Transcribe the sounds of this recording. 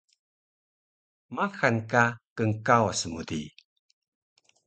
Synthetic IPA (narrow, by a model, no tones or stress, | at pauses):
maxankakəŋkawasəmudḭ